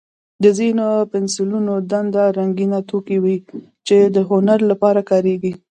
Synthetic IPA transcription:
d̪əzinopɪnsɪlunod̪and̪aɾaŋɡinat̪okiwi | t͡ʃed̪əɦonaɾlapɑɾakɑɾeɡi

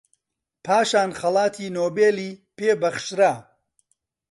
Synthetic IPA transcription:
pʰaːʃaːnχɐlˠɑːt̪ʰiːnoːbeːliːpeːbɐχʃɾa

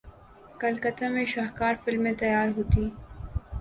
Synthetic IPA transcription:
kɐlkɐt̪ãmẽʃaːɦkaːɾfɪlmːẽt̪ɐjaːɾɦuːt̪iː

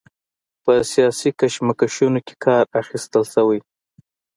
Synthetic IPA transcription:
pəsijɑsikaʃmakaʃunoke̥kʰɑɾaxist̪əlsəwaj

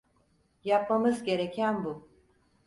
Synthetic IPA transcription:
jap̚mamɯzɟe̞ɾecʰænbu

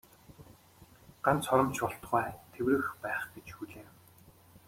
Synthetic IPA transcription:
ɢ̥ant͡sʰɔɾɞ̆mt͡ɕpɔɬt̪χæːt̪ʰewɾɘ̆xpæːχɡet͡ɕxuɮeː

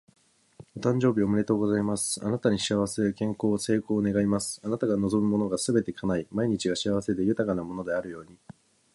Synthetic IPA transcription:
ot̪ãɲ̟d͡ʑo̞ːbʲio̞mɯ̟ɾe̞t̪o̞ːɡo̞zaimasɨ̥a̰nat̪aɲ̟iɕiaβ̞ase̞ɯkẽ̞ŋko̞ːse̞ːko̞ːne̞ɡaimasɨ̥anat̪aɡano̞zo̞mɯ̟mo̞no̞ɡasɨbe̞t̪e̞kʰanaimaiɲ̟it͡ɕiɡaɕiaβ̞ase̞d̪e̞jɯ̟t̪akanamo̞no̞d̪e̞aɾɯ̟jo̞ːɲ̟i

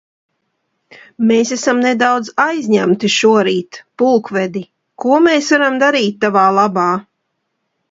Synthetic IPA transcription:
meːsæsamned̪awd̪zajzʲɲæmt̪iʃuɔɾiːt̪pulˠkvɛd̪i | kuɔmeːsvaɾamd̪aɾiːt̪̚ʲːavaːlˠabɑː

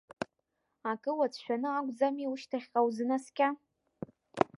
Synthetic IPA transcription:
akʼɨwat͡sʼʰʃʷᶣanɨakʷʼd͡zamiuʃtʰaχʲqʼawzɨnaskʲʼa

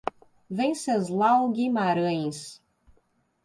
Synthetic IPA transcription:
vẽj̃sezlawɡimaɾɐ̃j̃s

